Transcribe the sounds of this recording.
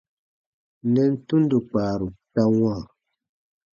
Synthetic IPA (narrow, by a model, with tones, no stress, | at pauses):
nɛ˦n̩˦tu˦n˦du˨k͡paː˨ɾu˨ta˦wãː˦˨